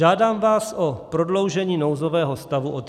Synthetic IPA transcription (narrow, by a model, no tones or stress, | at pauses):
aːdaːmvaːsʔopɾodlo̞wʒɛɲiːnowzovɛːɦost̪avuʔot̪